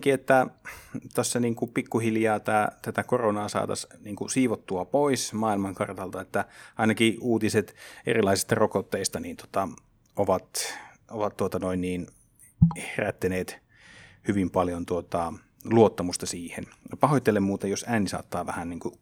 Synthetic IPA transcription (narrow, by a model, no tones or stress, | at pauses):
kiet̪ːæt̪æsːæniːŋkupikːuhiljɑːt̪æːt̪æt̪ækoronɑːsɑ̰ːt̪ɑ̰sniːŋkusiːʋot̪ːuɑpoismɑːilmɑŋkɑrt̪ɑlt̪ɑet̪ːæɑinɑkiuːt̪iset̪ḛrilɑisist̪ɑrokot̪ːeist̪ɑniːnt̪o̥t̪ɑ | oʋɑt̪ | oʋɑt̪tuot̪ɑnoinniːn | heræt̪ːeneːt̪ | hyʋimpɑljont̪uot̪ɑ | luot̪ːɑmust̪ɑsiːhenpɑhoit̪ːelemmuːt̪ejosæːnisɑ̰ːt̪ːɑːʋæhænniːŋku